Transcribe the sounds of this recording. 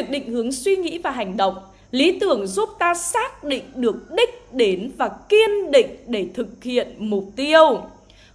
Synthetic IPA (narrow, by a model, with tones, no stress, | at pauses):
k̚ɗḭ˧˨ŋ̟hɨ˨˦əŋswi˧ŋḭ˧˥vaː˨˩ɦa˨˩jŋ̟ɗə̰˧˨wŋ͡m | li˨˦t̪ɨ˨˧˩əŋzu˦˥p̚t̪aː˧saː˦˥k̚ɗḭ̈˧˨ŋ̟ɗɨ˨˩ək̚ɗï˦˥k̟̚ɗe˨˦nvaː˨˩ki˧ənɗḭ̈˧˨ŋ̟ɗe˧˩t̪ʰɨ˨˩k̚hḭ˧˨ənmʊ˨˩p̚t̪i˧əw